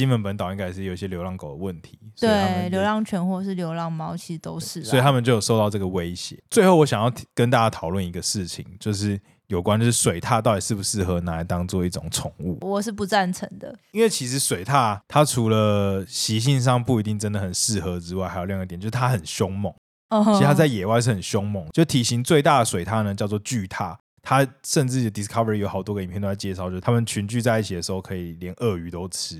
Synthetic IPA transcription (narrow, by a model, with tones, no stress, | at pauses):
ɕi˥nwə˧˦npə˧˦nt̪ʊi˧ŋka˥˩ɪʂɻ̩˥˩jo˨˩ʊi˨˩ɕjɛ˥ljo˧˥lɑ˥˩ŋko˨˩ʊd̪ə˩wə˥˩nt̪ʰi˨˦st̪we˥˨˥a˥˨ljo˧˥ʊlɑ˥˧ŋt͡ɕʰɥɛ˧˥nxwɔ˥˩ʂ̬ɻ̩˥˩ljo˧˥ʊlɑ˥˩ŋmɑ˥ʊt͡ɕʰi˧˥ʂ̩˧t̪o˥ʊʂɻ̩˥˩st̪ʰa˥mə˨nt͡ɕjo˥˩ʊjo˨˩ʂo˥˧ʊt̪ɑ˥˧ʊʈ͡ʂɤ˥˩ɡə˩we˦ɪɕjɛ̰˨˩˦t͡swe˥˧ɪxo˥˩wɔ˦˥ɕjɑ˨ŋjɑ˥˩ʊkə˥nt̪a˥˧t͡ɕja˦˥t̪ʰɑ˨˩ʊlwə˥˨˩ni˧˥ɡə˨ʂɻ̩˥˩t͡ɕʰḭ˨˦ŋt͡ɕjo˥˧ʊʂ̬ɻ̩˥˩ | jo˨ʊkwa˦nt͡ɕʂ̩˥˩swe˨˩ɪt̪ʰa˥˧t̪ɑ˥˩ʊt̪i˨˩ʂɻ̩˥˩bu˨˩ʂɻ̩˥˩xɤ˧˥na˧˥˨t̪ɑ˥ŋt͡swɔ˥˧i˥˩ʈ͡ʂʊ̰˨˩ŋt͡sʰʊ˨˧˦ŋṵ˥˨wɔ˨˩ʂɻ̩˥˩pu˧˥t͡sa˥˩nt͡sʰə˧˥ŋd̪ə̰˨i˥nwe˥˩ɪt͡ɕʰi˧˥ʂ̬ɻ̩˧˥swe˨˩ɪt̪ʰa˥˩t̪ʰa˥ʈ͡ʂʰu˧˥lə˧ɕi˧˥ɕ̬i˥˧nʂ̬ɑ˥˧ŋpu˥˩i˧˥t̪i˥˩ŋʈ͡ʂə˦˥nd̪ə˨xə˨˩nʂɻ̩˥˩xɤ˧˥ʈ͡ʂɻ̩˥wa˥˩ɪa˧˥ɪjljŋ˧˥jt͡ɕo˥˧ʂ̩˥t̪ʰa˥xə˨˩nɕjo˥ŋmɔ˨˦ŋ˧ | ii˧˥˧t̪ʰa˥t͡sa˥˩ɪjɛ˨˩wa˥˧ɪʂɻ̩˥˩ə˨˩nɕjo˥ŋmɔ˨˩˦ŋt͡ɕjt̪ʰi˨˩ɕi˧˥˦ŋt͡swe˥˧ɪt̪a˥˩d̪ə˩swe˨ɪt̪ʰa˥˧nə˨˩t͡ɕjɑ˥˧ʊt͡swɔ˥˧t͡ɕy˥˧t̪ʰa̰˥˩ | t̪ʰa˦ʂə˥˧nʈ͡ʂɻ̩˥˩o˧˩d̪i˨skʰɑ˥və˨i˨jo˧ʊxɑ˨˩ʊwke˧˥˧pʰt̪o˧la˧˩t͡ɕjɛ˥ʂɑ˥˧˨t͡ɕo˥˧˥a˥mə˨nt͡ɕʰy˧˥nt͡ɕy˥˧t͡sa˥˧ɪi˥˩t͡ɕʰi˨d̪ə˩ʂɻxo˥˧˩kʰɤ˧˥i˨˩ljɛ˧˦nʔə˥˩y˧˥t̪o˥ʊʈ͡ʂ̩ʰ˦